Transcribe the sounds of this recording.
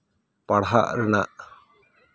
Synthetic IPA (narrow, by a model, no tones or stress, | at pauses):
paɽɦa̰ʔɾɛna̰ʔ